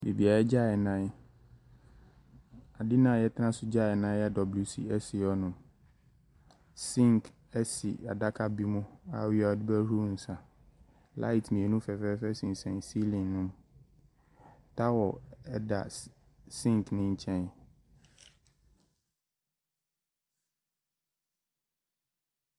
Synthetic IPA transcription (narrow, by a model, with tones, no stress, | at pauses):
bi˨bi˨a˨ɛ˦d͡ʑa˦˨ɛ˨nã˦ | a˨dɪ˦nã˨jɛ˦tʰã˦sʊ˦d͡ʑa˦˨ɛ˨nã˦jɛ˦dɔ˨blu˨sḭ˦ɛ˦si˨ɔ˦nʊ̃˨m | sĩ˦ŋkʰ | ɛ˦sḭ˨a̰˨da˦kʰa˦bi˦mʊ̃˦a̰˨wɪ˦a˨dɪ˦bæ˦ɾu˦n̩˨sã˨ | la̰˦ɪ˨tmĩ˨e˨nũ˦fɛ˨fɛ˦fɛ˦sĩ˨n̩˨sɛ̃˨si˦lĩ˨ŋnʊ̃˦m | tʰa˦wɔ˨ɛ˦da̰˨ | sĩ˦ŋknɪ̃˦ɲ̩˨t͡ɕʰɛ̃˦n˨